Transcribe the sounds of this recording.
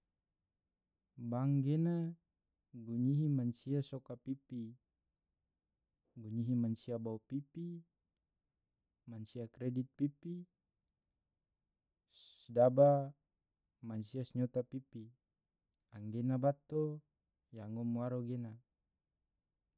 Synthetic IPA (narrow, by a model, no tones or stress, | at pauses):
baŋɡena | ɡuɲiɦimansiasokapipi | ɡuɲiɦimansiabaupipi | mansiakɾedit̪̚pipi | sdaba | mansiasɲot̪apipi | aŋɡenabat̪o | jaŋomuaɾoɡena